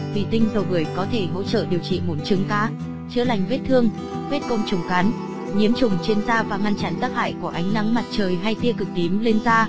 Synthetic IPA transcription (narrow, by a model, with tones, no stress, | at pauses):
t̪i˨˩t̪ï˧ŋ̟zo˨˩vəː˧˩əjkɔ˨˦t̪ʰe˧˩ɦo̰˧˥t͡ɕə̰ː˧˨ɗi˨˩əwt͡ɕḭ˧˨mo˨˩˦nt͡ɕɨ˨˦ŋkaː˨˦ | t͡ɕɨ˧la˨˩jŋ̟ve˦˥t̚t̪ʰɨ˧əŋ | ve˦˥t̚kə˧wŋ͡mt͡ɕʊ˨˧˩ŋ͡mka˨˦n | ɲi˨˦əmt͡ɕʊ˨˩ŋ͡mt͡ɕe˧nzaː˧vaː˨˩ŋa˧nt͡ɕa˨˦nt̪aː˦˥k̚ha̰ː˧˨jku˧˩əʔa˨˦jŋ̟na˨˦ŋma˨˩t̚t͡ɕəː˨˩jɦa˧jt̪i˧əkɨ˨˩k̚t̪i˨˦mle˧nzaː˧